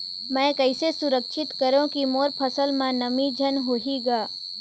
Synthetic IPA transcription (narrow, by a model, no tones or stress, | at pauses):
mɛ̃ːkəɪsesʊɾəkʃʰɪt̪kəɾõkimoːɾpʰəsəlmãnɐmid͡ʒʱənɦoːɦiɡaː